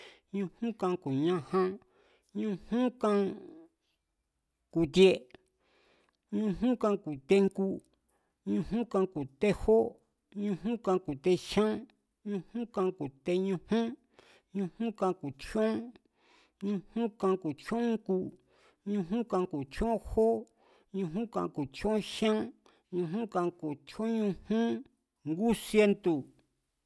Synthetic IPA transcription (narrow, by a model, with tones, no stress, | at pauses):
ɲũ˧hũ˦kã˧ku˨ɲã˧hã˦ | ɲũ˧hũ˦kã˧ | ku˨t̪je˧ | ɲũ˧ɦũ˦kã˧ku˨t̪e˧ŋku˦ | ɲũ˧ɦũ˦kã˧ku˨t̪e˦ho˦ | ɲũ˧ɦũ˦kã˧ku˨t̪e˧ʃã˦ | ɲũ˧hũ˦kã˧ku˨t̪e˧ɲũ˧hũ˦ | ɲũ˧hũ˦kã˧ku˨t͡ʃõ˦ | ɲũ˧hũ˦kã˧ku˨t͡ʃõ˦ŋku˦ | ɲũ˧ɦũ˦kã˧ku˨t͡ʃõ˦õ˦ho˦ | ɲũ˧ɦũ˦kã˧ku˨t͡ʃõ˦ʃã˦ | ɲũ˧ɦũ˦kã˧ku˨t͡ʃõ˦ɲũ˧hũ˦ | ŋɡu˦sje˦nt̪u˨